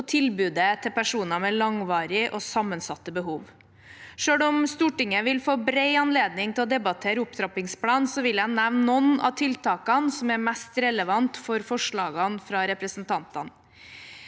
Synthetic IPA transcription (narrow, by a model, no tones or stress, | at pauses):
t̪ʰɪlbʉːd̪ət̪ʰɪlpʰæʂuːnɑmɛlɑŋʋɑːɾɪʔosɑmənsɑt̪ːəbəɦuːʋ | ʂøːɽɔmst̪uːʈɪŋːəʋɪlfoːbɾeɪɑnleːd̪nɪŋt̪ʰɪlɔd̪ɛbɑt̪ʰeːɾəʊpt̪ʰɾɑpɪŋspʰlɑːnsɔʋɪlænːæʋnnɔnɑ̰t̪ʰɪlt̪ʰɑːkɑnsɔmæɾmæst̪ɾɛləʋɑnt̪fɔɾfɔʂɭɑːɡɑnfɾɑɾɛpɾəsnt̪ʰɑnt̪ɑ̰n